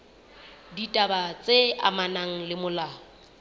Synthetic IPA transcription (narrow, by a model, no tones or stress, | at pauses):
ditʼabat͡sʼea̰manaŋ̩lɪmʊlaːɔ